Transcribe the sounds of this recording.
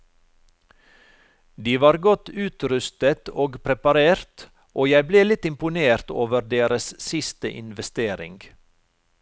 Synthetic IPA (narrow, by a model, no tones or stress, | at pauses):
d̪iːʋɑːɾɡɔt̪ʉːt̪ɾʉst̪ət̪oːɡpʰɾɛpɑɾeːɾt̪ | ʔoːjæɪbleːlɪt̪ɪmpʊneːɾt̪oːʋəɾd̪eːɾəssɪst̪əʔɪ̰nʋɛst̪eːɾɪ̰ŋɡ